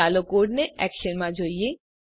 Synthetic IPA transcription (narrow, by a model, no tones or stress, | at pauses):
alokoɽneɛ̰kʃənmad͡ʑʱojje